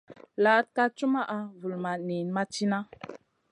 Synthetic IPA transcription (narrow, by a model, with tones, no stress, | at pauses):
la˨˦t̚ka˦t͡ʃu˦ma˦ʔa˨vu˨lma˨ni˨nma˦t͡ʃi˦na˦